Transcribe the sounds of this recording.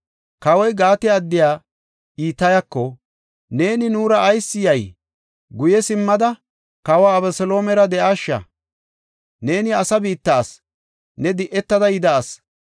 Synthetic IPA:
kɐwɔjɡaːt̪ɪːd̪ːɪjaː | iːt̪ːɐjɐkːɔ | ne̞ːnɪnuːɾɐʔːjsːɪjɐj | ɡʊjɛsɪmːɐd̪ɐ | kɐwaːbɛsɔlo̞ːmɛɾɐd̪ɛʔaːʃːɐ̰ | ne̞ːnɪɐsɐbiːt̪ːɐːs | nɛd̪ɪʔɛt̪ːɐd̪ɐjɪd̪ɐːs

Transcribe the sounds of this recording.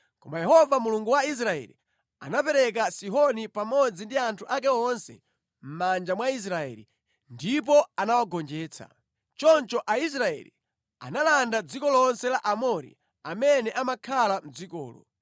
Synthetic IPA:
kɔmajɛɦɔvamuluŋɡuwais̬ɾaɛ̰lḭ | a̰napɛɾɛk̬asiɦɔnipamɔd͡zindiantʰuʔak̬ɛɔnsɛ̰ | m̩mand͡ʒamwais̬ɾaɛ̰lḭ | ndip̬ɔanawaɡɔnd͡ʒɛːt͡sʰa̰ | t͡ʃɔnt͡ʃɔʔais̬ɾaɛ̰lḭ | a̰nalandad͡zikɔlɔnsɛlaʔamɔɾḭ | amɛnɛʔamakʰalam̩d͡zikɔ̰ːlɔ̰

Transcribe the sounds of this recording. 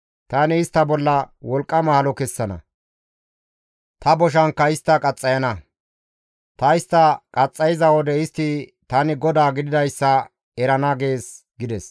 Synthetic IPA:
t̪ɐnɪːst̪ːɐbɔlːɐwɔlkʼːɐmɐhɐlɔkɛsːɐnɐ̰ | t̪ɐbɔʃ̬ɐŋkːɐɪst̪ːɐkʼɐt͡sʼːɐjɐnɐ | t̪ɐɪst̪ːɐkʼɐt͡sʼːɐjɪzɐwɔd̪ɛɪst̪ːɪt̪ɐnɪɡɔd̪aːɡɪd̪ɪd̪ɐjsːɐ | ɛɾɐnɐɡe̞ːs | ɡɪd̪ɛs

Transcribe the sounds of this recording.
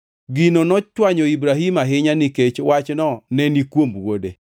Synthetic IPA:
ɡinonɔt͡ʃwaɲɔibɾaɦimaɦɪɲaniket͡ʃwat͡ʃnɔnɛnikwomwode

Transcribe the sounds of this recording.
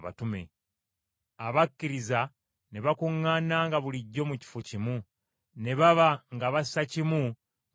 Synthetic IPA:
βa̰tume̞̰ | aβakːiɾiza | neβakuŋːanaːŋɡaβuliɟːo̞muci̥focimu | ne̞βaβaŋɡaβassacimu

